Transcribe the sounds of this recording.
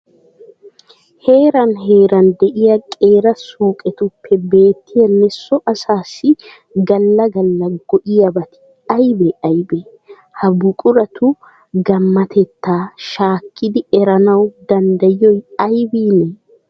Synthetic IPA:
he̞ːɾɐnɦe̞ːɾɐnd̪ɛʔɪjɐkʼe̞ːɾɐsuːkʼɛt̪ʊpːɛbe̞ːt̪ːɪjɐnɛsːɔʔɐsaːsːɪ | ɡɐlːɐɡɐlːɐɡ̥ɔʔɪjɐbɐt̪ɪ̥ | ɐjbɛʔɐjbɛ | hɐbʊkʼʊɾɐt̪ʊ | ɡɐmːɐt̪ʰɛt̪ːaːʃaːkːɪd̪ɪɛɾɐnɐwd̪ɐnd̪ɐjɔjɐjbiːnɛ

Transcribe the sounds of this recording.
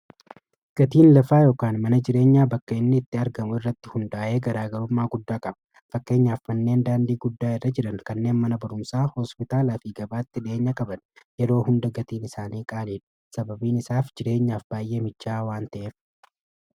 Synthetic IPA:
ɡ̥ɐt̪iːnlɐfaːjoːkaːnmɐnɐd͡ʒɪɾe̞ːɲːaːbɐkːɐɪnːɪɪt̪ːɪɐɾɡɐmʊɪrːɐt̪ːɪhʊnd̪aːʔeːɡɐɾaːɡɐɾʊmːaːɡʊd̪ːaːkʼɐbɐ | fɐkːe̞ːɲːaːfmɐnːe̞ːnd̪aːnd̪iːɡʊd̪ːaːɪrːɐd͡ʒɪᶑɐnkɐnːe̞ːnmɐnɐbɐɾʊmsaːhɔspɪt̪aːlafiːɡɐbaːt̪ːɪᶑe̞ːɲːɐkʼɐbɐnjɛɾo̞ːhʊnd̪ɐɡɐt̪iːnɪsaːniːkʼaːleːᶑʊ̥ | sɐbɐbiːnɪsaːfd͡ʒɪɾe̞ːɲːaːfb̥aːjʔe̞ːmɪt͡ʃːaːwaːnt̪ɐʔeːf

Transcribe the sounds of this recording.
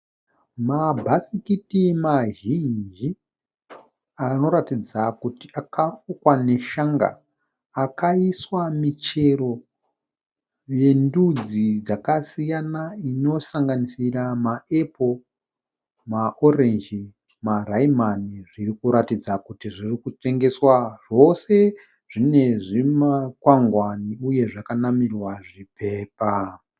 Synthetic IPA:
mabʱasikitimaʒind͡ʒi | ano̞ɾatid͡zakutiakarukwane̞ʃaŋɡa̰ː | kaiswamit͡ʃe̞ɾo̞ | je̞ndud͡zid͡zakasijanaino̞saŋɡanisiramae̞pʰo | maʔo̞rend͡ʒi | maraimaniʐirikuɾatid͡zakutiʐirikut͡ʂe̞ŋɡe̞swaʐo̞se̞ | ʐ̥ine̞ʐimakwaŋɡwaniuje̞ʐakanamirwaʐipʰe̞ːpa

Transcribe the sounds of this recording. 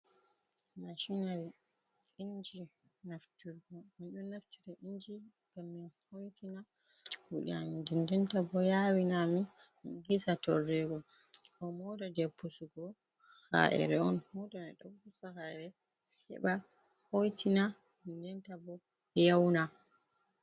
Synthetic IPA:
maʃinal | iɲd͡ʒi | naftuɾɡɔmiɗunnːaftiɾɛʔiɲd͡ʒi | ɡ̥amːihojtʰina | kuɗḭanindɛndɛntabɔjawinami | minɡisatɔrːɛɡɔ | kɔmɔdadɛpːusuɡɔ | ha̰ʔɛ̰ɾɛɔnhɔdanɛɗɔpusahaɛɾɛ | hɛ̰ɓa | hojtʰina | indɛntabɔ | jawna

